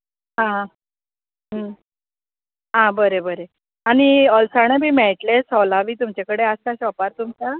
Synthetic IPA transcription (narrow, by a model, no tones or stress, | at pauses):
ɦã | ɦə | ɦãbəɾebəɾe | aɽ̃iəlsaɽ̃ebʱiːmɛɭʈlesɔlaʋiːt̪umt͡ɕakəɽeaskaɕɔpaɾt̪umt͡ɕa